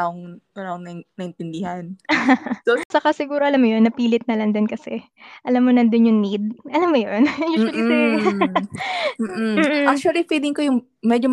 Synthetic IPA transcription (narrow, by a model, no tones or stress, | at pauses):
aʔoŋɐnaoŋnɐnɐʔɪnt̪ɪnd̪ɪhan | sot͡ʃɐkasɪɡuːɾo̞ʔɐlamːojo̞nːɐpiːlɪt̪̚nɐlɐŋd̪onkɐsɛ | ʔɐlamːonɐnd̪ʊnjʊŋnid̪̚ʔɐlamːojonjuːʃʊɐlit̪ʊ | ʔm̩ːʔakk̚t͡ʃuɐlifid̪ɪŋkojʊŋ | mɛd͡ʒo